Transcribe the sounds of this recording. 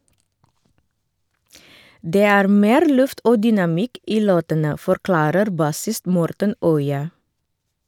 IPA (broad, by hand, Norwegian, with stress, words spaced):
ˈdeː ˈæːɾ ˈmeːɾ ˈlʉft ˈoː dʏnɑˈmɪk ˈiː ˈloːtənə fɔɾˈklɑːɾəɾ ˈbɑsɪst ˈmɔɾtən ˈœʏɑ